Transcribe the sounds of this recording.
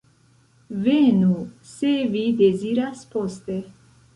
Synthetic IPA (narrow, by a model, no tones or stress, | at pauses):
venusevideziɾaspost̪e